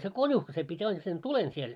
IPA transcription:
se konʲuhkɑ̆ se pitʲ ɑin sen tulen siel

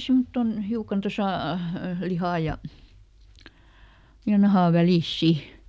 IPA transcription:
simːotːon hiukɑn tosɑˑ lihɑˑ jɑ jɑ nɑhɑˑ ʋæliˑs si

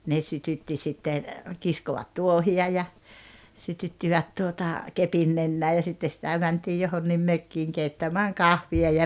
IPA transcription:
ne sytytːi sitːen̞ kiskoʋɑt tuohiɑ jɑ sytytːiʋæt tuotɑ kepin nenːæː jɑ sitːe sitæ mæntiː johonːim møkːiːŋ keitːæmæːŋ kɑhʋiɑ jɑ

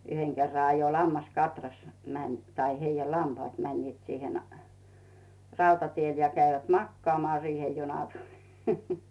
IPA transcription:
yheŋ kerːɑ ɑjo lɑmːɑskɑtrɑs mænʲ tɑi heijæ lɑmpɑːt mænʲniːt siːhen rɑutɑtiel jɑ kæiʋæt mɑkːŏɑːmŏɑː siːhe̥ junɑ̥ tu̥l̥i̥

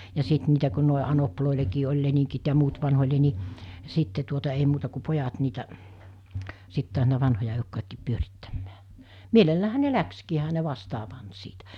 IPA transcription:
jɑ sit niːtæ ku̞ noˑe ɑnoploˑelekiː olʲ leniŋkit jɑ muːt ʋɑnholʲe ni sitːe tuotɑ ei muːtɑ ku pojɑt niːtæ sit tu̞ɑs̞ niːtæ ʋɑnhojɑ eˑokːojɑkːiːp pyøritːæmːæː mielelːæːhæ ne lækskiː ehæ ne ʋɑstɑː pɑnt siːtæ

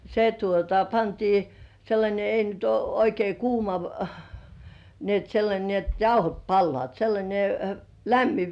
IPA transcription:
se tuotɑ pɑntiː selːɑnʲe ei nyt uo oikei kuːmɑ ni et selːɑnʲe ni et jɑuhot pɑlːoɑˑt selːɑnʲe læmːi

